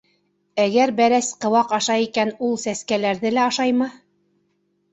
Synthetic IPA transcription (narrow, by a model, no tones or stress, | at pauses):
æɡæɾbæɾæsqɤ̆wɑqɑʃɑikænulˠsæskælæɾðɘlæɑʃɑjmɤ